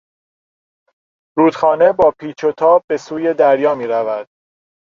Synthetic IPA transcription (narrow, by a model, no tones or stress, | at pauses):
ɾuːd̪̥xɒːne̞bɒːpʰiːt͡ʃʰo̞t̪ʰɒːb̚be̞suːje̞d̪æɾjɒːmiːɾævæd̪̥̚